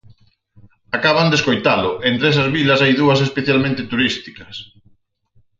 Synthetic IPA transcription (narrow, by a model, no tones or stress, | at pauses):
akaβand̪eskojt̪alʊʔent̪ɾesɐzβilɐsajðuɐsespeθjalmẽnt̪ɪt̪uɾist̪ikɐs